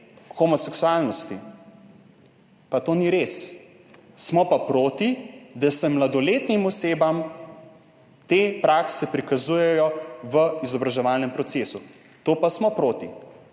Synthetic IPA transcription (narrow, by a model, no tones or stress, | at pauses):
xɔmɔsɛksualnɔst̪i | pat̪oːniɾeːs | smɔpapɾoːt̪id̪asɛmlad̪ɔleːt̪nimɔseːbam | t̪eːpɾaksɛpɾikazujɛjɔʋəizɔbɾaʒɛʋaːlnɛmpɾɔt̪seːsu | t̪oːpasmɔpɾoːt̪i